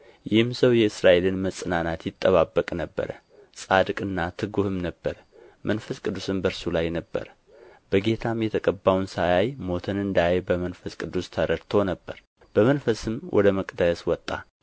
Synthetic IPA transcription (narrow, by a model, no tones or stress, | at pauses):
jɪhɨmsəwjɛɨsɾaʔe̞lɨnməsʼɨnanat̪jɪt̪ʼːəβabːəkʼnəbːə̰ɾə̰ | sʼad̪kʼɨnːat̪ʰɨɡuhɨmnəbːəɾ | mʔənfəskʼɨd̪ːusɨmbəɾsulajnəbːə̰ɾ | b̥əɡe̞t̪ʰamjɛt̪ʰəkʼəbːawnsajajmo̞t̪ʰɨnɨnd̪abəmənfəskʼɨd̪ːust̪ʰəɾəɾt̪ʰo̞nəbːə̰ɾ | b̥əmənfəsɨmwʔɔ̰d̪əməkʼd̪əswɔt̪ʼːa